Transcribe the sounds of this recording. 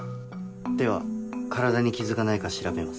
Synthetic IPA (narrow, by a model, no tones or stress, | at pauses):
d̪e̞βa̰kaɾad̪aɲ̟ikʲizɨkanaikaɕiɾabe̞mas